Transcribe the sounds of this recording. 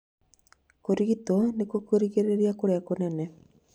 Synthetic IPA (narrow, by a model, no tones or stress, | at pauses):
koɾiɡit̪onekokoɾikeɾeɾiakoɾeakonɛnɛ